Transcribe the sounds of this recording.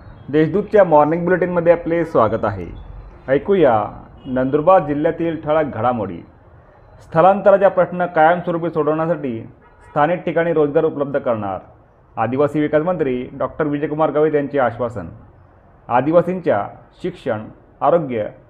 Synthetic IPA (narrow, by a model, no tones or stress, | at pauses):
d̪eɕd̪ud̪̚t͡ɕjamɔɾniŋɡbjuleʈinməd̪ʱːjeaplesʋaɡət̪aɦḛəjkuja̰nənd̪uɾbad̪̚d͡ʑil̤ːjat̪iːlʈʰəɭaɡʱəɽamoɽḭː | st̪ʰəlant̪əɾat͡ɕjapɾəɕnəkajəmsʋəɾup̬iːsoɽəʋɳjasaʈiː | st̪ʰaniːʈʈːikaɽ̃iːɾod͡zɡaɾupələb̚d̪ʱəkəɾɳa̰ɾ | a̰d̪iʋasiːʋikad͡zmənt̪ɾiːɖɔk̚ʈəɾʋid͡ʑəjkumaɾɡaʋet̪jaɲt͡ɕeaɕʋasə̰n | ad̪iʋasiɲt͡ɕja̰ɕikʂəɳ | aɾoɡjə